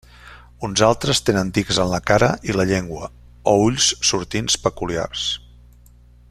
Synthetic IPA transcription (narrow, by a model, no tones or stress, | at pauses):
unzalˠt̪ɾəst̪enənd̪ikzənləkaɾəʔiləʎeŋɡwə | ouʎssuɾt̪inspəkulia̰rs